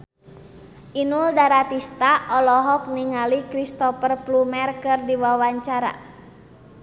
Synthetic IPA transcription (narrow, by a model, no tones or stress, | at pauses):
ʔinuldaɾat̪ist̪aʔɔlɔɦɔk̚niŋalikɾist̪ɔfərplumɛrkərdiwawaɲt͡ʃaɾa̰